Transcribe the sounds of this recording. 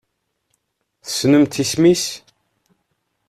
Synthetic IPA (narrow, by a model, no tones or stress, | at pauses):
θə̥sːnəmt̪ismis